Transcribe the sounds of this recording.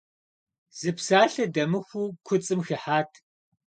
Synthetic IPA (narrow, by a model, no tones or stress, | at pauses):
z̥ɨpsaːɬɐdɐmɨxʷuːkʷʰʊt͡sʼɨmxɨħaːtʰ